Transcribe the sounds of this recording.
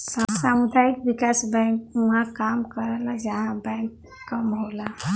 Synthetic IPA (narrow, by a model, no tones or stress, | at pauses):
səsamud̪ʱajikbikasbɛ̃ŋkuɦãkamkəɾɛlad͡ʒəɦãbɛ̃k | kəmɦola